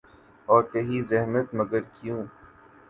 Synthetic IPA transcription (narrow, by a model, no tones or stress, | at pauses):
ɔːɾkɐɦizɛɦmət̪mɐɡəɾkjũː